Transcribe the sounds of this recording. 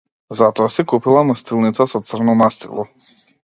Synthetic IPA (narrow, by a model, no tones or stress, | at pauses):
zat̪ɔasɛkupilˠamast̪ilˠnit̪sasɔt̪sr̩nɔmast̪ḭlˠɔ